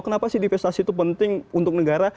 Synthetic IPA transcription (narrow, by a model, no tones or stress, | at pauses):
kənapasɪhdifɛst̪asit̪upənt̪ɪŋunt̪ʊk̚nəɡaɾa